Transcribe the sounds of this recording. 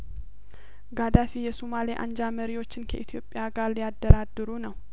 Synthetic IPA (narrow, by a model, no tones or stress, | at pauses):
ɡad̪afijɛsumaleʔa̰nd͡ʒaməɾiwo̞t͡ʃːɪnkʰəʔit̪ʰjo̞pʼːjaɡaɾlijad̪ːəɾad̪ːɨɾunəw